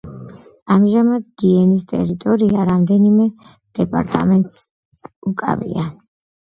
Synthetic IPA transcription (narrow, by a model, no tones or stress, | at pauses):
amʒamad̪ɡiɛnist̪ʼɛ̰ɾit̪ʼɔɾiaɾamd̪ɛnimɛ | d̪̥ɛpʼa̰ɾt̪ʼa̰mɛnt̪ʼs | ukʼa̰vḭa